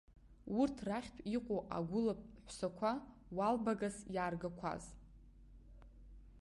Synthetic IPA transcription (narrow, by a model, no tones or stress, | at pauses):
urtʰraχʲtʰʷʼiqʷʼoʔa̰ɡʷʊlap̚ʰʼħʷsakʷʰa | walbaɡasjaːrɡakʷʰa̰z